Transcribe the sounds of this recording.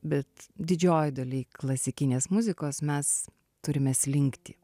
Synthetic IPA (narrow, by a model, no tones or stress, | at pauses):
bʲɛt̪d̪ʲɪd͡ʒʲoːjd̪ɐlʲiːklˠɐsʲɪkʲɪnʲeːsmʊzʲɪkoːsmʲɛs | t̪ʊɾʲɪmʲɛːslʲɪŋʲkt̪ʲɪ